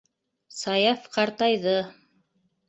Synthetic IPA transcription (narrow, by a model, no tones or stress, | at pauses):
sɑjɑfqɑɾt̪ɑjðɤ